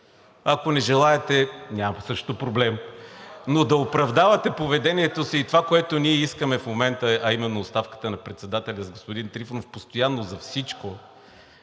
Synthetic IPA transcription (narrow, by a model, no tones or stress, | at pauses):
ɐkonɛʒɛlˠaɛt̪ɛnʲamɐsɤʃt̪opɾoblɛm | nod̪ɐopɾɐvd̪avɐt̪ɛpovɛd̪ɛniɛt̪osiːt̪ovakoɛt̪oniɛiskəmɛfmomɛnt̪əɐimɛnːoːst̪afkə̥t̪ənɐpɾɛt̪sɛd̪at̪ɛlʲɐzɡospʊd̪int̪ɾifnofpost̪ojanːozɐfsit͡ʃko